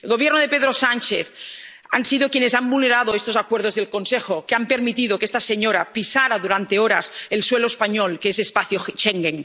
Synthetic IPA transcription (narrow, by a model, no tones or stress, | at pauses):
elɣoβjeɾnoð̞epeðɾosanʲt͡ʃeθ | a̰nsiðokjenesambulneɾað̞oest̪osakweɾð̞ozðelkonsexokeampeɾmit̪iðokeest̪aseɲoɾapisaɾaðuɾant̪eoɾaselsweloespaɲolkeesespaθjoxʃeŋɡeŋ